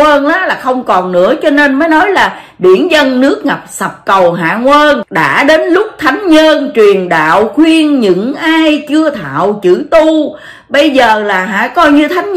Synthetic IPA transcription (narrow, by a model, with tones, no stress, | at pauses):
əː˧nɗa˨˦laː˨˩xə˧wŋ͡mkɔ˨˩nnɨ̰˧˥ət͡ɕɔ˧ne˧nməː˨˦jnɔ˨˦jlaː˨˩ | ɗḭ˧˩ənzə˧nːɨ˦˥ək̚ŋa˨˩p̚sə˨˩p̚kə˨˩wɦa̰ː˧˨ŋwəː˧nɗa̰ː˧˥ɗe˨˦nlʊ˦˥k͡p̚t̪ʰa˨˦jŋ̟ɲəː˧nt͡ɕwi˨˩ənɗa̰ː˧˨wxwi˧ənɲɨ̰˧˥ŋʔaː˧jt͡ɕɨ˧ət̪ʰa̰ː˧˨wt͡ɕɨ̰˧˩t̪u˧ | ɓə˧jzəː˨˩laː˨˩ɦa̰ː˧˨kɔ˧jɲɨ˧t̪ʰa˨˦ŋ